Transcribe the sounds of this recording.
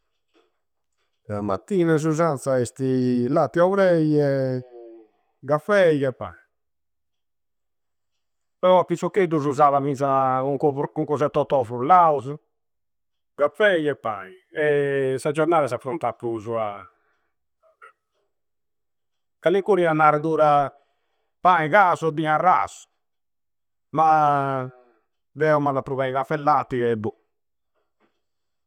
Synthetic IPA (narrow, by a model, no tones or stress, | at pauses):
ama̰t̪ːiːnaz̬uzant̪saɛst̪ilat̪ːiavɾɛjɛ | ɡafɛjɣɛpːa̰i | pɛɾɔpisɔkːed̪uzuzavaminzauŋkɔuŋkɔzɛt̪ːɔt̪ːɔfɾulauzu | ɡafɛjɛpːa̰i | ɛsad͡ʒɔɾnaːðasafɾunt̪apːɾuzua | kalikuɾianaɾɛðuːɾa | paĩɣasɔd̪iarːa̰su̥ | ma | d̪ɛɔmaðapɾuβɛiɣafɛlːat̪ːiɛbu